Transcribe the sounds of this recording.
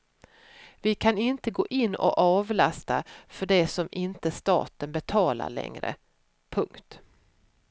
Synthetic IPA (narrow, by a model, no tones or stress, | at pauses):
vɪkʰanɪnt̪əɡoːʔɪnːɔ̰ʔɑːvlast̪afœɖɛsɔmɪnt̪əst̪ɑ̰ːt̪ənbɛt̪ʰɑːla̰ɭɛ̰ŋɾə̰ | pʰɵŋkt̪